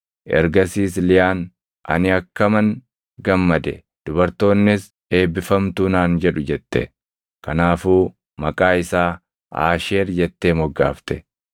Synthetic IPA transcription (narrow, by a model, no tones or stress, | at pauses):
ʔɛ̰ɾɡɐsiːslɪjaːn | ʔɐ̰nɪɐkːɐmɐŋ | ɡɐmːɐd̪ɛ̰ | d̪̥ʊbɐɾt̪o̞ːnːɪs | e̞ːbɪfɐmt̪uːnaːnd͡ʒɛᶑʊd͡ʒɛt̪ːɛ̰ | kɐnaːfuː | mɐkʼaːɪsaː | a̰ːʃe̞ːɾd͡ʒɛt̪ːe̞ːmɔɡːa̰ːft̪ɛ